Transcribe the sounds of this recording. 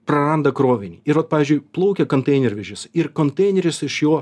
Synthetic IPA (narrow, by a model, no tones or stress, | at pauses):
pɾɐɾɐnd̪ɐkɾoːʋʲɪnʲḭːɪɾʋɐt̪̚ɑːʋʲiːzʲd͡ʒʲʊɪplˠɐʊkʲɛkonʲt̪ɛɪnʲɛɾʲʋʲɛʒʲɪsɪɾkont̪ɛɪnʲɛɾʲɪsɪʃjoː